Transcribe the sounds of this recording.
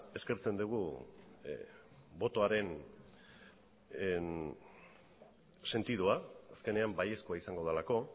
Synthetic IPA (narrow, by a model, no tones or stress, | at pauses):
e̞ske̞ɾt͡se̞nd̪uɣ̞u | bo̞t̪o̞aɾe̞n | se̞nt̪iðuaːske̞ne̞ambaje̞skoaisaŋɡo̞ð̞alako̞